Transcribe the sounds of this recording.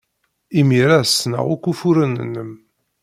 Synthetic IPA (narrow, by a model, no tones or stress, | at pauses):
imiɾasnə̰ʁʊkːufuɾənə̰nːəm